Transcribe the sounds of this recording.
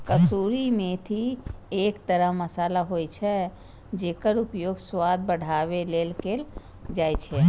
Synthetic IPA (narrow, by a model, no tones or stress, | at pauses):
kəsuɾimẽt̪ʰiekt̪əɾəɦməsaːlaɦojt͡ʃʰɛ | d͡ʒeːkəɾupjoːɡswad̪̚bəɽ̤aʋelelkel | d͡ʒajt͡ʃʰɛ